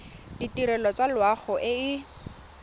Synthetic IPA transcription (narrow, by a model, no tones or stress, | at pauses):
d̥itiɾɛlɔt͡salwaχɔʔɪɪ